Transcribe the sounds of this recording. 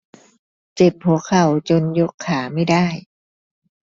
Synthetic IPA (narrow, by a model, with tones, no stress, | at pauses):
t͡ɕe˨˩p̚hu˨˩˦əkʰa˨˩˦wt͡ɕo˧njo˦˥kʰːaː˩˦ma˥˩jdaː˥˩j